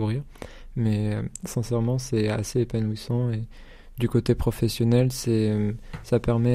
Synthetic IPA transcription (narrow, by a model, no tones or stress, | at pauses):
uʁiʁ | mɛøsɛ̃sɛʁmɑ̃sɛa̰seepanuisɑ̃e | d̪ykot̪epχɔfɛsjɔnɛlsɛømsapɛʁmɛ